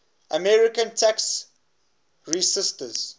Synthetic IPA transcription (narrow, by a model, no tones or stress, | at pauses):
əmɛɹikə̃ntʰaks | ɹisɪstəz̥